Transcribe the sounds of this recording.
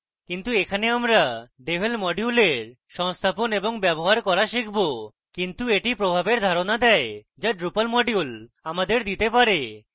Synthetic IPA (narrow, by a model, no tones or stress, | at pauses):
kint̪uekʰaneamɾaɖebʱelmɔɖiuleɾ | ʃɔŋst̪ʰaponeboŋbɛboɦaɾkɔɾaʃikʰbo | kint̪ueʈipɾobʱabeɾd̪ʱaɾonad̪ɛe | d͡ʑaɖɾupalmɔɖjul | amad̪eɾd̪it̪epaɾe